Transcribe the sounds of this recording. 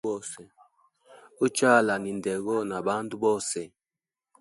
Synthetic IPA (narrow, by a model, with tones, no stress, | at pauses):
ɔ˦sɛ˨ | u˦t͡ʃa˦˨la˨ni˨ndɛ˨ɣɔ˦na˨ba˦n˦tu˦bɔ˦sɛ˨